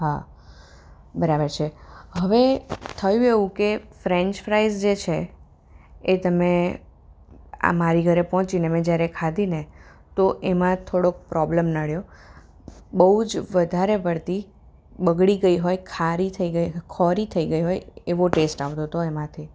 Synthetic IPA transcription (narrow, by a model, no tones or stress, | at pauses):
ɦa | bəɾabəɾt͡ʃʰeɦəʋet̪ʰəjũeʋũkefɾẽɲt͡ʃfɾaizd͡ʒet͡ʃʰeː | t̪əme | a̰maɾiɡʱəɾepɔɦɔ̃t͡ʃinemɛ̃d͡ʒjaɾekʰad̪ʱine | t̪oʔemãt̪ʰoɽok̚pɾɔbləmnaɭjo | bəɦud͡ʒʋəd̪ʱaɾepəɽt̪i | bəɡɽiɡəiɦojkʰaɾit̪ʰəiɡəjkʰɔɾit̪ʰəiɡəiɦojeʋoʈesʈaʋt̪ot̪oemãt̪ʰi